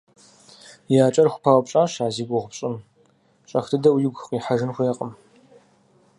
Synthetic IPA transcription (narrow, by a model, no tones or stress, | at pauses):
jaːt͡ʃʼɐrxʷʊ̥pʰaːwpɕʼaːʃaːziːɡʷʊʁʷʊpɕʼɪm | t͡ʃʼɐxtʰɨdɐwjɪɡʷqiːħaʒɨnxʷeqʼəm